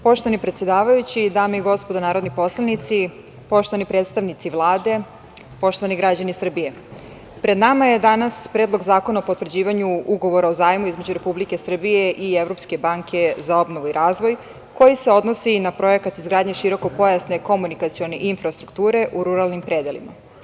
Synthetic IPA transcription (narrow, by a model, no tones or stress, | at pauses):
po̞ʃt̪oanipɾet̪sje̞d̪aːʋajut͡ɕid̪aːmeiɡo̞spo̞d̪anaːɾo̞d̪nipo̞slˠanit̪si | po̞ʃt̪o̞ʋanipɾeːt̪st̪aʋnit̪siʋlˠaːd̪e̞ | po̞ʃt̪oaniɡɾad͡ʑanisr̩bije̞ | pɾe̞d̪namaje̞d̪anaspɾeːd̪lo̞ɡzaːkonaopot̪ʋr̩d͡ʑiːʋaɲuuɡo̞ʋo̞ɾaozaːjmuizme̞d͡ʑuɾe̞publike̞sr̩bijeʔievɾo̞pske̞baŋkʰe̞zao̞bnoʋuiɾʔaːzʋo̞j | ko̞jise̞o̞d̪no̞sinapɾo̞e̞kat̪izɡɾaːd̪ɲe̞ʃiɾo̞ko̞po̞jasne̞ko̞munikat̪sio̞ne̞ʔinfɾast̪ɾukt̪uːɾe̞ʔuɾuɾalˠnimpɾed̪elḭma̰